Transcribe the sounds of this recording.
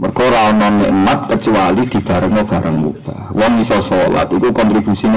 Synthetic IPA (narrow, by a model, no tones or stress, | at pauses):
mərkɔɾaɔnɔnːɛ̰ʔmat̪̚kət͡ʃuwalid̪̥i̤b̥a̤ɾəŋɔb̥a̤ɾaŋmṵd̥ahwɔŋisɔsola̰t̪ikukɔnt̪ɾib̥usin